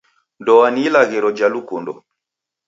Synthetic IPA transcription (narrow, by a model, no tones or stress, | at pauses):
ndɔwaniːlaɣiɾɔd͡ʒalukundɔ̰